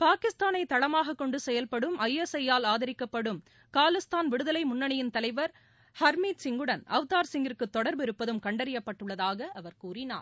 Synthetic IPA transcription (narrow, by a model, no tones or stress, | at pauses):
paːkɪst̪aːnɐɪt̪ɐɽɐmaːɣɐkːɔɳɖɯsɛjɐlpɐɽɯmɐjːɛsɐjːaːlaːðɐɾɪkːɐpːɐɽɯm | kaːlɪst̪aːnʋɪɽɯðɐlɐɪmʊnːɐɳɪjɪnt̪ɐlɐɪʋɐɾ | hɐɾmiːt̪sɪŋɡɯɽɐnʔɐʋt̪aːɾsɪŋɡɪɾkɯt̪ːɔɽɐɾbɪɾɯpːɐðɯmkɐɳɖɐɾɪjɐpːɐʈːɯɭːɐðaːɣɐʔɐʋɐɾkuːɾɪna̰ːɾ